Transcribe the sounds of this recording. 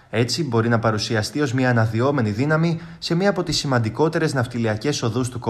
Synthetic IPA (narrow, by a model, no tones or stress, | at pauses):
e̞t͡sibo̞ɾinɐpɐɾusiɐst̪io̞zmɲɐːnɐðio̞me̞niðinɐmi | se̞mɲɐːpo̞t̪isːimɐnd̪iko̞t̪e̞ɾe̞znɐft̪iliɐce̞so̞ðust̪uko